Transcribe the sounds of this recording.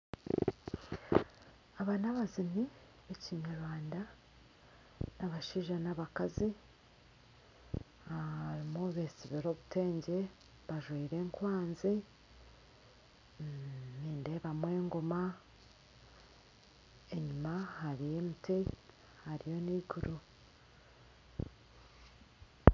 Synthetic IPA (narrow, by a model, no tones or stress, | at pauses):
aβanaβazini | βeciɲaɾwaːnda | naβaʃiʒanaβakazi | aɾimuβesiβiɾo̞ːβute̞ːɲɟe̞ | βaʒwiːɾe̞ːŋkwaːnzi | niːnde̞ːβamwe̞ːŋɡo̞ma | e̞ɲumaɦhaɾije̞miti | haɾijo̞niɡuɾu